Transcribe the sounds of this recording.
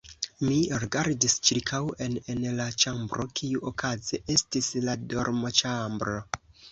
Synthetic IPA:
miɾiɡaɾdist͡ʃiɾkʰawe̞nenlat͡ʃambɾo̞kʰiuʔokazeʔe̞stisladoɾmot͡ʃambɾo̞

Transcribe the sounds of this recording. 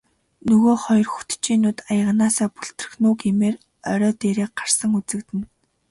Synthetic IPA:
nɵɣoːχɔjɞ̆rxu̥t̪t͡ɕiːnʊːt̪ajə̆ʁnaːsaːpuɬt̪rɵ̆xnʊːɡemeːr | œɾʲɔːt̪eːɾeːk̚ɢarsə̆ŋut͡sɘ̆kt̪ɘ̆n

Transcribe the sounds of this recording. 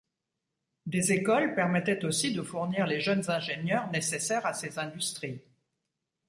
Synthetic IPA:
d̪ezekɔlpɛʁmɛt̪ɛt̪osid̪əfuʁniʁleʒənzɛ̃ʒenjœʁnesesɛʁasezɛ̃d̪yst̪χi

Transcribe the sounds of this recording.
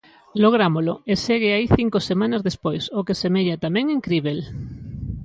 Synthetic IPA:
loɣɾamoloeseɣɪaiθiŋkosemãnazðespojsokesemeʎat̪amɛ̃ŋeŋkɾiβel

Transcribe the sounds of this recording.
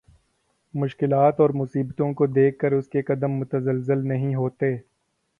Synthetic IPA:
mʊʃkɪlaːt̪ɔːɾmʊsiːbt̪õkod̪eːkʰːɐɾʊskeqɐd̪əmːʊt̪əzəlzɪlnɐɦĩɦoːt̪eː

